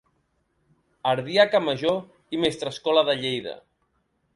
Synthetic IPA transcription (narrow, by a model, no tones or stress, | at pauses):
aɾðiakaməʒo | imest̪ɾəskɔlaðəʎejðə̰